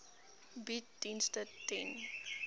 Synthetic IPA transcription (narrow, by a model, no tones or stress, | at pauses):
bit̚dinstətɛn